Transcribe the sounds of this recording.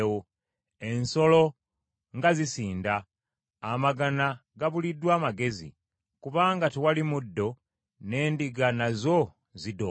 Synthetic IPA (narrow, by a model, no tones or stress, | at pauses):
wo | e̞nso̞lo̞ | ŋɡazisiːndaː | maɡanaɡaβulidːwaːmaɡe̞zḭ | kuβaːŋɡatiwalimudːo̞ | ne̞ːndiɡanazo̞ | zido